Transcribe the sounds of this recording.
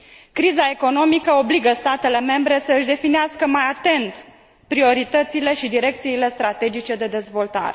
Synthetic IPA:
kɾizae̞ko̞no̞mikəo̞bliɡəst̪at̪e̞le̞me̞mbɾe̞səɨʃd̪e̞fineaskəmajat̪e̞nt̪ | pɾio̞ɾit̪ət̪sile̞ʃid̪iɾe̞k̚t̪siːle̞st̪ɾat̪e̞d͡ʒit͡ʃe̞d̪e̞d̪e̞zvo̞lt̪a̰ɾe

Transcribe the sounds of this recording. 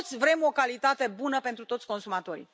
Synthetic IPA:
t̪sʲvɾe̞mo̞kalit̪at̪e̞bunəpe̞nt̪ɾut̪o̞t̪sʲko̞nsumat̪o̞ɾḭ

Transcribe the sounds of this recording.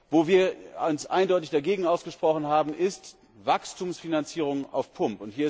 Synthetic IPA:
voːviːɐʊnsʔa̰ɪndɔʏtɪçd̥aɡeːɡŋ̩aʊsɡ̥əʃpʁ̥ɔχn̩ɦaːbm̩ʔɪst | vakstʰuːmsfinant͡siːʁ̞ʊŋa̰ʊfpʰʊmpʊnthiːɐɪ

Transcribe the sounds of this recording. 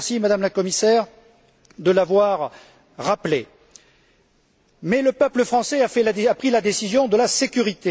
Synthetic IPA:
ʁsimad̪amlakɔmisɛːʁ | d̪əlavwaʁ | ʁaple | mɛləpœpləfχɑ̃sɛafɛlaapχilad̪esizjɔ̃d̪əlasekʲyʁit̪e

